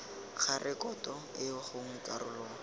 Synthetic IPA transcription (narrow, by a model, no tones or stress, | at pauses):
k͡xʰarʔɪkɔtɔɪʊχʊŋ̩kʼarʊlɔː